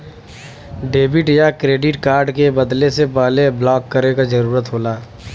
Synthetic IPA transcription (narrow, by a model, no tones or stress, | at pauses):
ɖeːbɪʈjakɾeːɖɪʈkaːɾɖkebɐd̪lesebaːleblɔːkːəɾekad͡ʒɐɾuːɾət̪ɦoːlaː